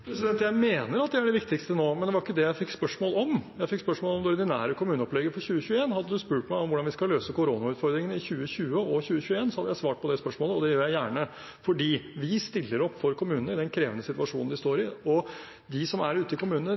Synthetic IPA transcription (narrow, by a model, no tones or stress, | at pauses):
pʰɾɛsɪd̪ɛnt̪jæɪmeːnəɾɑt̪̚d̪ɛæɖɛʋɪkt̪ɪkst̪ənoːmɛnd̪ɛʋɑɾɪkːəd̪ɛjæɪfɪkːspœʂmoːlɔmjæɪfɪkːspœʂmoːlɔmd̪ɔɾɪd̪ɪnæ̰ːɾəkʰʊmʉːnəɔplɛɡːəfɔɾçʉːəçʉːəeːnhɑd̪ːəd̪ʉspʉːʈmæɪɔmʋʊɖɑnʋɪskɑløːsəkʊɾoːnɑʉːt̪fɔɾd̪ɾɪŋənɪçʉːəçʉːəɔçʉːəçʉːəeːnsɔhɑd̪əjæɪsʋɑːʈ̚pɔd̪ɛspœʂmoːləɔd̪ɛjøːɾjæɪjæːɳə | fɔɖiːʋɪst̪ɪlːəɾɔpːfɔɾkʰʊmʉːnənəɪd̪ɛnkʰɾeːʋənəsɪt̪ʋɑʂṵːnn̩d̪ɪst̪oːɾɪɔ | d̪ɪsɔmæɾʉːt̪əɪkʊmʉːnnə